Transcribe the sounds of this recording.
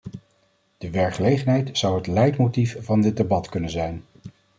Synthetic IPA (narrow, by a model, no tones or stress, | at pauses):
d̥əʋɛɹkχəlejχənɦɛjtz̥ʌwɦətlɛjtmowtifvɑndɪd̚debɑtkɵnənzɛjn